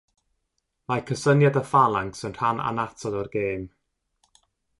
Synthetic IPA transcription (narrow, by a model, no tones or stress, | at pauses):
majkʰəsənjadəfalˠaŋksənr̥ana̰natʰɔdɔrɡeːm